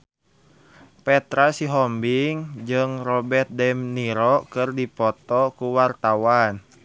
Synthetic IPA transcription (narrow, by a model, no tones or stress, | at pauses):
pɛt̪ɾasiɦɔmbiŋd͡ʒɨŋrɔbɛrt̪̚dɛmniɾɔkɨrdipɔt̪ɔkuwart̪awan